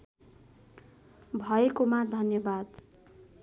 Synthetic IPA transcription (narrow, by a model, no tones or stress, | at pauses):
bʱʌekomad̪ʱʌnjʌbad̪